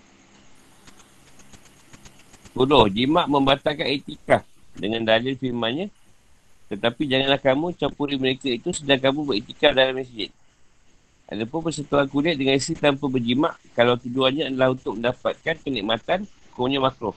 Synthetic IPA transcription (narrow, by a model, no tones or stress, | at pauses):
pulɔhd͡ʒimãʔmə̃mbat̪alkanet̪ikah | dəŋãndalɪlfilmãnɲã | t̪ət̪apid͡ʒaŋanlahkamũt͡ʃampuɾiməɾekait̪usədaŋkamũbəɾit̪ikadalamis̬d͡ʒɪt̪̚ | ʔa̰dapʊnpərsət̪uankulɪt̪̚dəŋãnisit̪ampabərd͡ʒimã̰ʔkalawt̪ud͡ʒuanɲãːdəlahunt̪ʊk̚mə̃ndapat̪̚kankəniʔ̚mat̪an | koɲãmakɾɔ